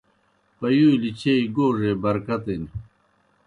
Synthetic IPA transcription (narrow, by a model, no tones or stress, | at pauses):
pɐjuːlit͡ɕʰeiɡoːʐebɐɾkɐt̪en